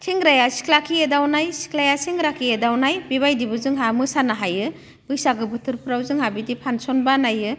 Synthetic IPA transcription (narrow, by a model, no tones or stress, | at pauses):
tʰiŋɾajasi̥kʰlakʰiedawnajsi̥kʰlajasiŋɾakʰiedawnajbiβajdibɯzɯŋɦamɯsanaɦajɯ | bɯjsaɡɯbɯtʰɯɾpʰɾawzɯŋhabidipʰansɔnbanajɯ